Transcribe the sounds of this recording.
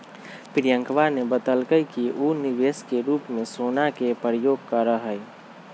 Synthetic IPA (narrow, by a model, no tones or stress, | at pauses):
pɾjə̃ŋkʋaɾnebət̪əlkəjkiʔunɪʋeːskeɾuːpmẽsoːnakepɾəjoːɡ̚kəɾəɦə